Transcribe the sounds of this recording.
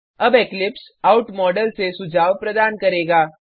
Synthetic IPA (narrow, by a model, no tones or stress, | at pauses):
ɐbeːklɪps | aːʊʈmɔːɖəlsesʊd͡ʒaːwpɾɐd̪aːnkɐɾeːɡaː